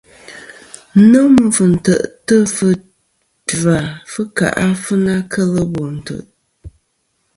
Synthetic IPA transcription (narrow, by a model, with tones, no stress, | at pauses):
nɨ˦m˨və˨n̩˨tə̰˨ʔtə˦fɨ˦ | da˨fɨ˦ka̰˨ʔa˦fɨ˦na˦kʰə˦lə˦bo˨n̩˨tə̰˨ʔ